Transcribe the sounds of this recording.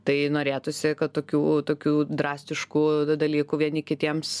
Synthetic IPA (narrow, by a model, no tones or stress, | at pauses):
t̪ɐɪnoːɾʲeːt̪ʊsʲɪkɐt̪t̪oːkʲuːt̪oːkʲuːd̪ɾɑːsʲt̪ʲɪʃkuːd̪ɐlʲiːkuːʋʲiɛnʲɪkʲɪt̪ʲiɛms